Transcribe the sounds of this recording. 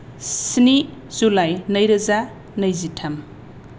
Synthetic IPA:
siniz̥ulajnɐjɾɐza | nɐjzitʰam

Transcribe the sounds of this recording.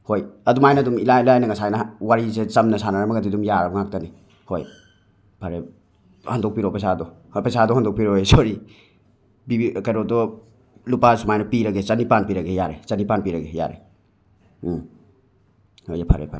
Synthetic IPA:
hojɐdumajnɐdumilailajnɐŋɐsajnɐwaɾis̬et͡ʃɐmnɐsanaɾamɐɡadidumjaɾɐbɔŋak̚tɐni | hoj | pʰaɾe | handok̚piɾopajsadɔ | pejsadɔhandok̚piɾoɦojsoɾi | bibikajɾɔtɔ | lupasumajnɐpiɾɐɡet͡ʃɐnipanpiɾɐɡejaɾet͡ʃɐnipanpiɾɐɡeja̰ɾḛ | hojepʰaɾḛpʰa̰ɾ

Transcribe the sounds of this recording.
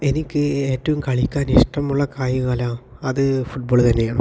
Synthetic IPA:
e̞nikʲːɨe̞ːtːɐʋumkɐɭikʲːaːniʂʈɐmuɭːɐkaːjuŋalaːɐðɨfuʈ̚boːɭt̪ɐnːe̞jaːɳu

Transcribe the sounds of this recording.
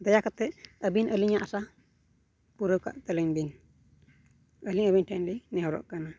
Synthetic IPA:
d̪ajakat̪ɛəbinʔəliɲaʔasa | puɾəwka̰ʔt̪ələɲbin | əliŋəbiɲʈʰanlinɛɦɔɾɔ̰ʔkana

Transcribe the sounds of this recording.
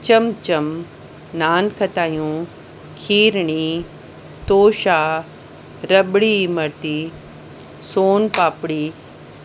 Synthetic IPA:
t͡ɕɐmt͡ɕɐm | naːnkʰɐt̪aːjũ | kʰiːɾɳ̃i | t̪oːʃaː | ɾɐbɽimɐɾt̪i | soːnpaːpɽiː

